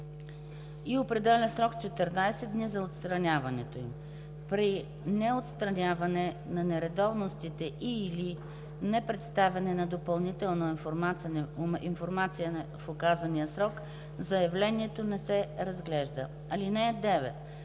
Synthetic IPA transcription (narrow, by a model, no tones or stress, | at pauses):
iopɾɛd̪ɛlʲəsɾɔkt͡ʃɛt̪ɛɾnajsɛd̪d̪nizɐot̪st̪ɾɐnʲavɐnɛt̪oim | pɾi | nɛot̪st̪ɾɐnʲavɐnɛ | nɐnɛɾɛd̪ɔvnost̪it̪ɛʔili | nɛpɾɛt̪st̪avʲɐnɛnɐd̪opɐlˠnit̪ɛlˠnofmanɛinfoɾmat̪sijəfokazɐnijəsɾɔk | zɐjɐvlɛniɛt̪onɛsɛɾɐzɡlɛʒd̪ə̰ | ɐlinɛːd̪ɛvɛ̰t̪